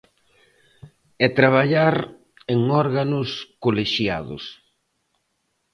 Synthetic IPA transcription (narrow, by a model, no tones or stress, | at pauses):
ɛt̪ɾaβ̞aʎaɾ | eŋɔɾɣanʊskoleʃja̰ðʊ̰s